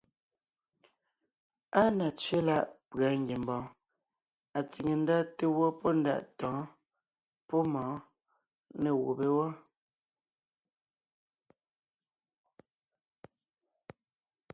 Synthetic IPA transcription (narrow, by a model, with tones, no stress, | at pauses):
a˦na˨t͡sɥe˦la˦ʔpɰa˨ŋ˦ɡje˨m˨bɔ̃ː˨˦ | a˨t͡si˨ŋe˨n̩˦da˦te˦wɔ˦pɔ˦n̩˦da̰˦˨ʔtɔ̃ː˨˦ | pɔ˦mɔ̃ː˨˦ | ne˨wo̰˨be˦wɔ˦